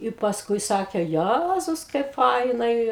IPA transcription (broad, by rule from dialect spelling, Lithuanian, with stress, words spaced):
ɪ pɐsˈkʊɪ ˈsɑːkʲeː ˈjæzʊs kɐɪp ˈfɐɪnɐɪ